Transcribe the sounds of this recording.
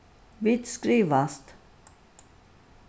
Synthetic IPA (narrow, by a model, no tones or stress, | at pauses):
vɪt̪skɾiːʋast̪